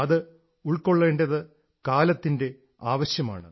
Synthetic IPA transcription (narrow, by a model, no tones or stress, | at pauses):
ɐðɨ | uɭko̞ɭːe̞ːɳdɐðɨ | kaːlɐt̪ːinde̞ | aːʋɐɕjɐma̰ːɳɨ